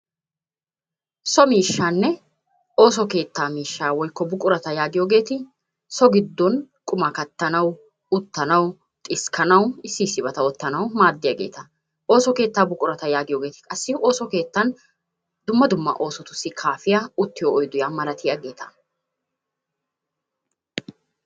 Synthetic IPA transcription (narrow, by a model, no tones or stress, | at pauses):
sɔmiːʃːaːnːɛ | o̞ːsɔke̞ːt̪ːaːmiːʃːaːwɔjkːɔbʊkʼʊɾɐt̪ɐjaːɡɪjo̞ːɡe̞ːt̪ɪ | sɔɡɪd̪ːɔn | kʼʊmɐkɐt̪ːɐnɐw | ʊt̪ːɐnɐw | t̪ʼɪskʰɐnɐwɪsːɪsːɪbɐt̪ɐwɔt̪ːɐnɐwmaːd̪ːɪjaːɡe̞̰ːt̪ɐ | ʔo̞ːsɔke̞ːt̪ːaːbʊkʼʊɾɐt̪ɐjaːɡɪjo̞ːɡe̞ːt̪ɪ̥kʼɐsːɪo̞ːsɔke̞ːt̪ːɐn | d̪ʊmːɐd̪ʊmːɐ̰ʔo̞ːsɔt̪ʊsːɪkʰaːfɪjaʊt̪ːɪjoːjd̪ʊjaːmɐɾɐt̪ʰɪjaːɡe̞ːt̪ɐ̥